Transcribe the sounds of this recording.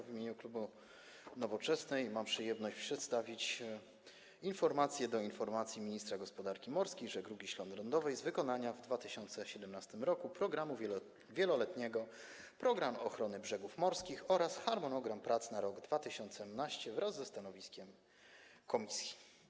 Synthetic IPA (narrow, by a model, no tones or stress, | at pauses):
vʲimʲeɲuklubu | nɔvɔt͡ʂɛsnɛjmampʂɘjɛmnɔɕt͡ɕpʂɛt̪st̪avʲit͡ɕ | infɔɾmat̪sʲjɛd̪ɔinfɔɾmat̪sʲjimʲiɲist̪ɾaɡɔspɔd̪aɾkʲimɔɾskʲejʐɛɡɾuɡʲiɕlɔnd̪ɾɔnd̪ɔvɛjzvɘkɔnaɲavd̪vat̪ɘɕɔnt̪sɛɕɛd̪ɛmnast̪ɘmɾɔkupɾɔɡɾamu | vʲjɛlɔlɛt̪ɲɛɡɔ | pɾɔɡɾamɔxɾɔnɘbʐɛɡufmɔɾskʲixɔɾasxaɾmɔnɔɡɾampɾat̪snaɾɔɡd̪vat̪ɘɕɔnt̪sɛmnaɕt͡ɕɛvɾazːɛst̪anɔvʲiskʲɛm | kɔmʲisʲji̥